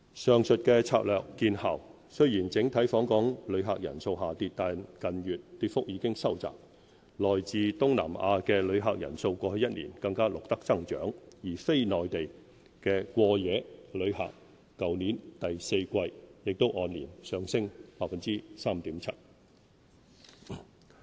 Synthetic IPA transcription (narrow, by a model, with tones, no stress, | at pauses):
sœː˨ŋsɵ˨t̚kɛː˧t͡sʰaː˧k̚lœː˨kːiː˧nhaː˨˩w | sɵ˥ɥjiː˨˩nt͡sɪ˨˥ŋt̪ʰɐ˨˥jfɔː˨˥ŋkɔː˨˥ŋlɵ˨˧ɥɦaː˨k̚jɐ̰˨˩nso˧wɦaː˨t̪iː˧t̚t̪aː˨kɐ˨njyː˨t̚t̪iː˧t̚fʊ˥k̚jiː˨˧kɪ˥ŋsɐ˥wt͡sa̰ː˨˩p̚ | lɔː˨jt͡siː˧t̪ʊ˥ŋna̰ː˨˩ma̰ː˧kɛː˧lɵ˨˧ɥɦaː˧k̚jɐ̰˨˩nso˧wkʷɔː˧ɵ˧jɐ˥t̚nḭː˨˩nkɐ˧ŋkaː˥lʊ˨k̚t̪ɐ˥k̚t͡sɐ˥ŋt͡ʃœ̰ː˨˥ŋjiː˨˩fe˥jnɔː˨jt̪e˨j | kɛː˧kʷɔː˧jɛː˨˧lɵ˨˧ɥɦa̰ː˨kː | ɐ˨wniː˨˥nt̪ɐ˨jse˧jkʷɐ˧jjɪ˨k̚t̪o˥wʔɔː˧nliː˨˩nsœː˨˧ŋsɪ˥ŋpaː˧k̚fɐ˨nt͡siː˥saː˥mt̪iː˨˥mt͡sʰɐ˥t̚